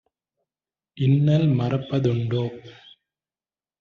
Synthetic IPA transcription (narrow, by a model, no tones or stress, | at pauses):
ɪnːɐlmɐrɐpːɐðɔɳɖoː